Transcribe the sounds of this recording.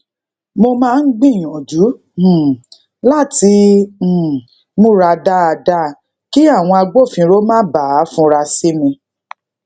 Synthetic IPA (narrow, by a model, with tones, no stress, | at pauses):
mo˧mãː˦˧n̩˦ɡ͡bĩ˦˨j̃ɔ̃˨d͡ʒu˨˦˨ | la˦˨tĩ˧˨ | mũ˦ɾa˧da˦a˧da˦˨ | ki˦a˦˨w̃ɔ̃˧a˧ɡ͡bo˦˨fĩ˧ɾo˦mãː˦ba˨˦fũ˦ɾa˧si˦mĩ˧